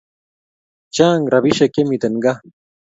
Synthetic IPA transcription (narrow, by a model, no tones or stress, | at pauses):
t͡ɕaːŋɡɾɐbiɕekemit̪ɐnɡa